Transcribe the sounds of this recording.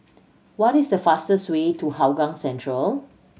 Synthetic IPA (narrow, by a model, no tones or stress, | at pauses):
wɔtisdəfastəswetuhawɡãŋsɛ̃ntʰɹəl